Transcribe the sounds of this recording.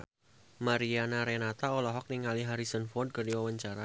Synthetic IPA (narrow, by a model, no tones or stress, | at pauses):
maɾianaɾenat̪aolɔɦɔk̚niŋaliɦaɾisɔnfɔrd̚kərdiwawaɲt͡ʃaɾa